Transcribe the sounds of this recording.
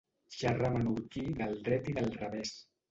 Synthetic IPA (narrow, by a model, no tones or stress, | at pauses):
ʃaramanuɾkiðəlˠrɛt̪iðəlˠrəβɛs